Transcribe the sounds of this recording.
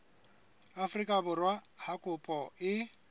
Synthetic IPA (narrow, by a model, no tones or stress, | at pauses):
afrikʼabʊrwahakʼʊpʼɔɪ